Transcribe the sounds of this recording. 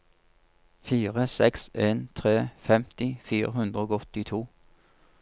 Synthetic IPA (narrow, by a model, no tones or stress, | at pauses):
fiːʁəsɛkseːnt̪ʰʁeːfɛmt̪ɪfiːʁəhʉnd̪ʁəoːɡɔt̪ɪt̪ʰuː